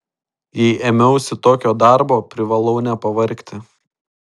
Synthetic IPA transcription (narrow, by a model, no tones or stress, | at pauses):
jɛɪʔemʲɛʊsʲɪt̪oːkʲoːd̪ɑˑɾboːpʲɾʲɪʋɐlˠɐʊnʲɛpɐʋɐɾʲkt̪ʲɪ